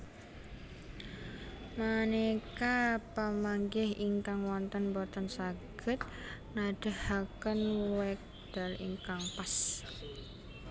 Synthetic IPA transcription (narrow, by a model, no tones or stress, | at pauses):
manekapəmaŋɡɪɦiŋkaŋwɔnt̪ənbɔt̪ənsaɡ̥ə̤t̪̚naɖ̥ə̤hhakənwɛk̚ | d̪̥a̤lḭŋkaŋpas